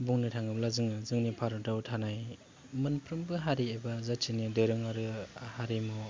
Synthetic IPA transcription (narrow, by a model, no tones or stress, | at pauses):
buŋnitʰaŋɯblazɯŋɯzɯŋnipʰaɾɔdawtʰanaj | mɯnpʰɾɯmbɯɦaɾiebazat͡ʃʰinidɯɾɯŋaɾɯhaɾimɔ